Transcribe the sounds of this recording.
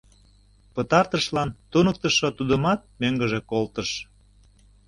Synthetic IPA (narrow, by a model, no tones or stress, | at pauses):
pət̪ɑrt̪əʃlɑnt̪unək̚t̪əʃot̪ud̪əmɑt̪̚møŋɡəʒekolt̪əʃ